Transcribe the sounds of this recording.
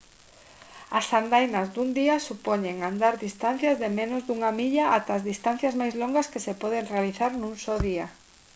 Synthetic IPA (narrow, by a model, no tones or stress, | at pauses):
asand̪ajnɐzd̪und̪iasupoɲeŋand̪aɾðist̪an̟θjɐzðemẽnʊzðuŋamiʎaʔat̪aːzðist̪anθjazmajzloŋɡɐskesepɔðeŋrealiθaɾnũŋsoðiɐ